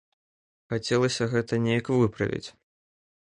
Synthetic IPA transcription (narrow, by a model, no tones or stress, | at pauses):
xat͡sʲɛlˠɐsʲɐɣɛt̪ɐnʲejɐkvɨpɾɐ̰vʲḭt͡sʲ